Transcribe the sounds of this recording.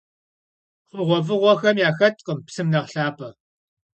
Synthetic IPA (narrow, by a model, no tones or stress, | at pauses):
χʷʊʁʷɔvɨʁʷɔxɐmjaːxɐtʼqʼəmpsɨmnɐʁɬaːpʰʼɐ